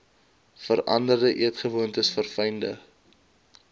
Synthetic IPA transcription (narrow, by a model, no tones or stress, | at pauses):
fəɾʔɐ̰ndərdəʔiətχəvuəntəsfərfɛjndə̰